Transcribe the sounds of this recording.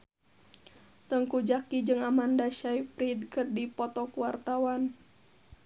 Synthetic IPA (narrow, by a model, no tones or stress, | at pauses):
t̪əŋkud͡ʒakid͡ʒɨŋamandaʃaipɾidkərdipɔt̪ɔkuwart̪awan